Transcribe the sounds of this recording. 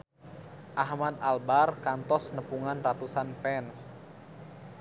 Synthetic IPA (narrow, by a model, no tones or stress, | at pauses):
ʔahmad̪albarkant̪ɔsnəpuŋanrat̪usanpɛns